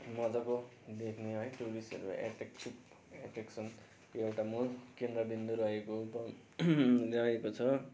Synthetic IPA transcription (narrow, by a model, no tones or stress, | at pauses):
mʌd͡zʌbʌd̪ekʰneɦʌjʈuɾisḛɾʌ̰ḛʈek̚t͡ʃʰup | eʈeksʌn | keewʈamulkend̪rʌbind̪uɾʌekobʌ | lʌekot͡sʰʌ